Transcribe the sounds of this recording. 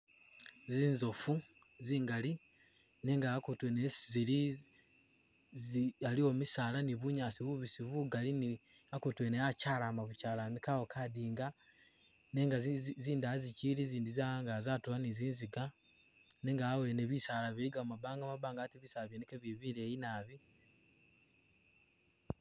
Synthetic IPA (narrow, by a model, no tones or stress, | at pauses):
ziːnzo̞fu | ziːŋɡali | neŋɡakutweneszili | zalio̞misaːlaniβuɲaːsiβuβisiβuɡalini | akutweneacaːlaːmaβucaːlamikawokʰadiːŋɡa | neŋɡaziːndaziciliziːndizaaŋɡazatuβaniziːnziɡa | neːŋɡaːweneβisalaβiɾiɡamabaːŋɡamaβaːŋɡatiβisalaβjenekeβiβiɾejinaβi